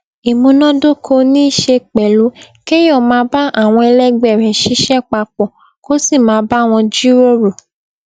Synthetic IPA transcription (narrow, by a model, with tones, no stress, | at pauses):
i˨mũ˧nɔ̃˦do˦kʰo˧nĩ˦i˦˨ʃe˧k͡pɛ˨lu˨˦ | ke˦jɔ˦˨mãː˧˦ba˦a˦˨w̃ɔ̃˧ɛ˧lɛ˦ɡ͡bɛ˦˨ɾɛ̃˨ʃi˨˦ʃɛ˦k͡pa˧k͡pɔ˨ | ko˦si˦˨mãː˨˦˧ba˦˨w̃ɔ̃˧d͡ʒi˦ɾo˦ɾo˨